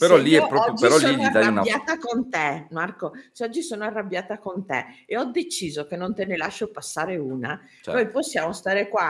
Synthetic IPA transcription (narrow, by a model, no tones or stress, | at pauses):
peɾɔlːiɛpːɾɔɔod͡ʒːpeɾɔlsːiliad̪aaunabjaːt̪akont̪emarkoseɔd͡ʒːisoːnoarːabːjaːt̪akont̪eeɔd̪et͡ʃiːzok̟enːont̪enelaʃːopasːaːɾeuːna | t͡ʃnojposːjaːmost̪aːɾekwa